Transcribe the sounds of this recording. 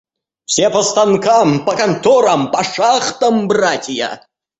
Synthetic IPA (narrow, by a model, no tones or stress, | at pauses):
fsʲepɐst̪ankʰampɐkɐnt̪oɾampɐʂaχt̪ɐmbratʲja̰